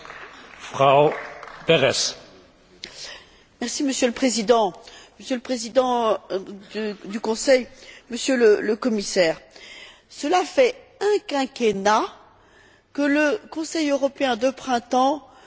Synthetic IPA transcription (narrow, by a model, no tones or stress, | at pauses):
fχaopeʁɛs | mɛʁsiməsjøləpχezid̪ɑ̃məsjələpχezid̪ɑ̃ | d̪d̪ykɔ̃sɛjməsjølələkɔmisɛːʁ | səlafɛɛ̃kɛ̃kʲena | kələkɔ̃sɛjøʁɔpeɛ̃d̪əpχɛ̃t̪ɑ̃